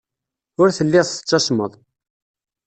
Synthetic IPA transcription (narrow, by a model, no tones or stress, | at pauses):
ʊɾθəlːiʁə̥t͡sːɑʃməðˤ